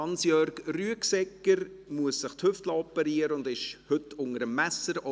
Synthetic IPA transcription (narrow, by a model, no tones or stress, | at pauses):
ɑnsjœɾkryəksɛkːəɾ | muəsːəχt̪hʏftlɑɔpːəɾiəɾəʊndɪʃhʏtʊŋəɾəmːæsəɾɔ